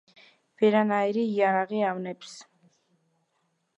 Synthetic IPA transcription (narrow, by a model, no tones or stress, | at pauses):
v̥ɛɾanaiɾiːaɾaʁiavnɛps